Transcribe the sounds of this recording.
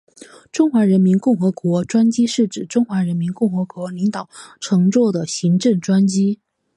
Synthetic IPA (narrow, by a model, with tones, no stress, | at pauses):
ʈ͡ʂʊ˥ŋxwa˧˥ɻə˧˥nmi˧˥nkʊ˥˩ŋxɤ˧˥kwɔ˧˥ʈ͡ʂwa˥nt͡ɕi˥ʂɻ̩˥˩ʈ͡ʂɻ̩˨˩ʈ͡ʂʊ˥ŋxwa˧˥ɻə˧˥nmi˧˥nkʊ˥˩ŋxɤ˧˥kwɔ˧˥li˧˥ŋt̪ɑ˨˩˦ʊʈ͡ʂʰɤ˧˥ŋt͡swɔ˥˩d̪ə˩ɕi˧˥ŋʈ͡ʂɤ˥˩ŋʈ͡ʂwa˥nt͡ɕi˥